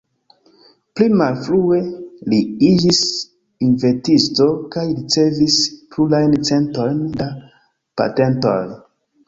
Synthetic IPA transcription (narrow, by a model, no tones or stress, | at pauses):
plimalflue̞liid͡ʒis | inve̞tisto̞kajɾit͡se̞visplulajnt͡se̞nto̞jnda | pa̰te̞nto̞j